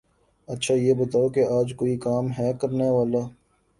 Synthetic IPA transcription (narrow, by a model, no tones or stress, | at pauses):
ɐtːʃʰaːjeːbɐt̪aːokeaːd͡ʒkoːikaːmɦɛːkɐɾneʋaːlaː